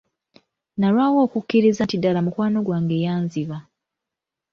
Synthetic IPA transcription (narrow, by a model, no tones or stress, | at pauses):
nalwaːwo̞ːkukːiɾizantidalamukwaːno̞ɡwaːŋɡe̞jaːnziβa